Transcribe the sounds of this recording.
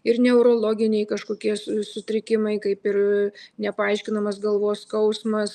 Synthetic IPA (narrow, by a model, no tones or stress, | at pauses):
ɪrnʲɛʊɾoːlˠoːɡʲɪnʲɛɪkɐʃkoːkʲiɛssʊt̪ʲɾʲɪkʲɪmɐɪkɐɪpɪɾnʲɛpɐɐɪʃʲkʲɪnɐmɐsɡɐlˠʋoːskɐʊsmɐs